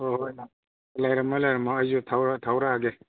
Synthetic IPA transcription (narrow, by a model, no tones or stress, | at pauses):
oja | lajɾamalajɾamaːjzutʰawɾatʰawɾaːɡe